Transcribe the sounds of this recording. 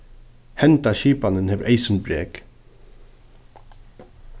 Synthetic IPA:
hɛnt̪aʃiːpanənhɛːʋɾʔeɪsənbɾḛːk

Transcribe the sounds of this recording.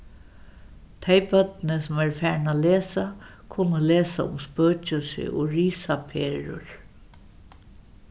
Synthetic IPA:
t̪ʰeɪbœt̪nəsʊmæɹfæːɹɳaleːsa | kʰʊnəleːsaʊ̰mspøːt͡ʃəsɪ̰ʔʊ̰ɹiːsapʰeːɹʊ̰ɹ

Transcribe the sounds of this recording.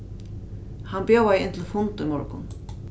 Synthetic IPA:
hanbjowajɪnt̪lfʊnt̪ʊimɔɹkʊ̰n

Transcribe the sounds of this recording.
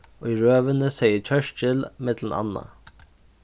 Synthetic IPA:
oiɹøːʋənəsɛjət͡ʃʰœʃt͡ʃɪlmɪt̪lənɑ̰nːa̰

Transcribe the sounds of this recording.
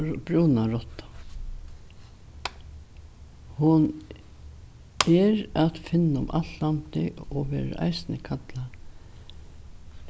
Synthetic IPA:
bɾuwnaɾɔt̪ːḁ | hʊn | ɛɾat̪fɪnːaʊ̰mʔa̰lt̪lant̪ɪɔʋɛ̰ːɾa̰ʔa̰jsnɪkʰat̪la

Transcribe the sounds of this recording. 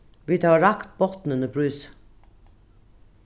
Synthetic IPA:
ʋiːt̪ʰɑːɹɑkt̪̚bɔt̪nənəbʰɹʉːs

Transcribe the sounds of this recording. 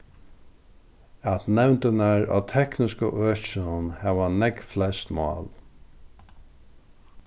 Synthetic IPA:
at̪nɛwnt̪ənaɹa̰t̪ʰɛknɪskəʔœːt͡ʃɪnʊnhæːʋanɛkflɛst̪mɑ̰ːl

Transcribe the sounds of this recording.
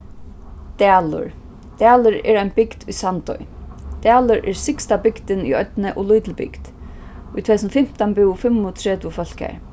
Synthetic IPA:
t̪ɛːlʊ̰ɹ | t̪æːlʊɾɛ̰ːɾajnbɪkt̪ṵjsant̪ɔ̰jt̪æːlʊɾʔɛɹsɪkst̪abɪkt̪ɪnṵjœt̪nɛʔʊlujt̪ɪlbɪ̰kt̪ | ʊjt̪ʰɛt̪ʰsnəfɪm̥t̪anbɪwfɪmːʊt̪ʰɾɛːt̪ʊfœl̥ka̰ɹ

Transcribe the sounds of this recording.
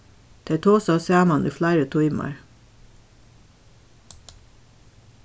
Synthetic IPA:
d̪̥eɪt̪ʰoːsɑsæːmɑnʔʉ̰ːflæɪɾət̪ʰʊʏmɑ̰ɹ

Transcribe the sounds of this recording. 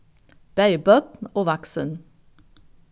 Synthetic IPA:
b̥æɪbœt̪noːʋɑksən

